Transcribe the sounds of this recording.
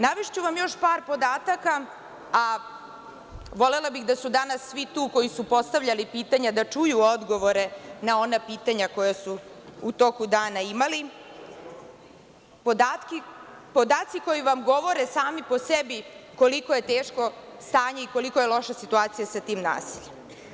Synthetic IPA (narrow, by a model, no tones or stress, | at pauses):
naʋiʃt͡ɕuʋamjo̞ʃpaːɾpo̞d̪aːt̪aka | a | ʋo̞le̞labixd̪asud̪anasːʋit̪uːko̞jisupo̞st̪aʋʎalipiːt̪aɲad̪at͡ʂujuod̪ɡo̞ʋo̞ɾe̞nao̞napiːt̪aɲako̞jasuːt̪o̞kud̪aːnaimali | pod̪at̪ki | po̞d̪aːt̪siko̞jiʋamɡo̞ʋo̞ɾesaːmipo̞sebiko̞likoje̞t̪eːʃko̞st̪aːɲe̞iko̞liko̞jelo̞ʃasit̪uaːt̪sijasat̪iːmna̰ːsiʎem